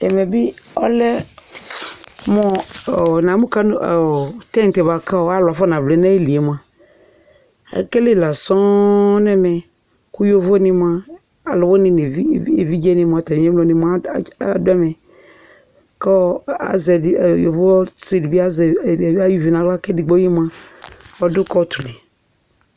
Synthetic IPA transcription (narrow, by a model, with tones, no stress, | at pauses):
ɛ˨mɛ˨bɪ˦ɔ̰˦lɛ˦ | mɔ˦˨nã˨mũ˦ka˦n˨tɛ̃˦˨tɛ˨ba˨ka˦ɔ˦a˦la˨fɔ˦nã˨vle˨˦na˦e˦li˨e˨m˨a˨ | a̰˨˦ke˦le˦˨la˨sɔ˦nɛ˦mɛ˨ | kʊ˦jo˦vo˦nɪ̃˦m˦a˦ | a˨lʊ˨wʊ˦nɪ̃˨n˨˦˨e˨vi˦d͡ʒe˦nɪ̃˦m˦a˨ta˨˦ɛ̃˦mlɔ˨nɪ̃˨ma˦˨˦dʊ˦ɛ˦mɛ˨ | kɔ˦a̰˨zɛ˨jo̰˨vo˦se˨di˨bi˦a˦za˦ji˦vi˨nã˨˦la˦kɛ˦di˨ɡ͡bo˦ji˦m˦ã˦ɔ˦dʊ˦kɔ˦t̪ʰʊ˨le˨